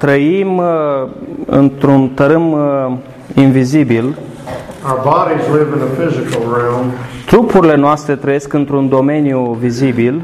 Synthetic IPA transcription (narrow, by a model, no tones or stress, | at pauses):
t̪ɾəim | ɨ̰nt̪ɾunt̪əɾɨm | invizibil | aʊə˞bɑɾizlɪvɨ̃nəfɪzɨkl̩ˠɹɛlˠmt̪ɾupuɾile̞noast̪ɾe̞t̪ɾəje̞skɨnt̪ɾund̪o̞me̞njuvizibil